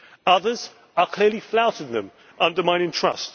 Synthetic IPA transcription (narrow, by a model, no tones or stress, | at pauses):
ʌðəz | əkʰl̥ɪəliflaʊtɪ̃d̪ðə̰̃m | ʔʌ̃ndəmãɪ̃nɪ̃ntʰɹ̥ʌ̰st